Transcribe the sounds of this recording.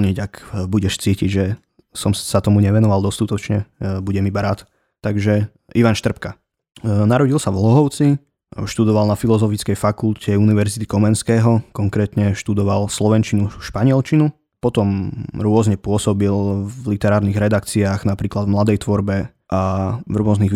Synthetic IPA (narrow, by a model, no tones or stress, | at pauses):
ɲiɟakbuɟɛʃt͡siːciɟʒɛ | sɔmsat̪ɔmuɲɛʋɛnɔʋalˠd̪ɔst̪ut̪ɔt͡ʃɲɛbuɟɛmibaɾaːt̪ | t̪ːaɡʒɛ | iʋanʃt̪r̩pka | naɾɔɟilˠsavlɔɦɔʊt͡si | ʃt̪ud̪ɔʋalˠnafilɔzɔfit͡skɛjfakulcɛuniʋɛɾzit̪i̥kɔmɛnskɛːɦɔkɔŋkɾɛːt̪ɲɛʃt̪ud̪ɔʋalslɔʋɛnt͡ʃinuʃpaɲɪɛlt͡ʃinu | pɔt̪ɔmɾʊɔzɲɛpʊɔsɔbillit̪ɛɾaːɾniɣɾɛd̪akt͡siaːɣnapɾiːklad̪vmlad̪ɛjt̪ʋɔɾbɛ | ʔavɾʊɔzniɣ